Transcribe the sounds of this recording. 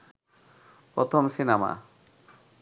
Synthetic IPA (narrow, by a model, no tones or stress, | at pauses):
pɾɔt̪ʰomsinama̰